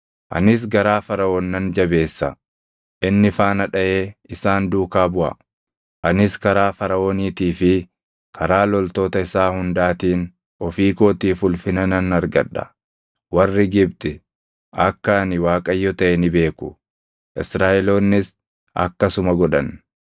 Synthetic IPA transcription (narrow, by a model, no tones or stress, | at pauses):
ʔɐ̰nɪs̬ɡɐɾaːfɐɾɐoːnːɐnd͡ʒɐbe̞ːsːɐ | ʔɪnːɪfaːnɐᶑɐʔe̞ːɪsaːnd̪uːkaːbʊʔɐ̰ | ʔɐnɪskɐɾaːfɐɾɐʔoːniːt̪iːfɪ | kʰɐɾaːlɔlt̪o̞ːt̪ɐɪsaːhʊnd̪aːt̪iːn | ɔfiːko̞ːt̪iːfʊlfɪnɐnɐnɐɾɡɐᶑːɐ̥̰ | wɐrːɪɡɪb̚t̪ʼɪ | ʔɐkːɐːnɪwaːkʼɐjːɔt̪ɐʔɛnɪbe̞ːkʊ̥ | ʔɪsɾaːʔɛlo̞ːnːɪs | ɐ̰kːɐsʊmɐɡɔᶑɐn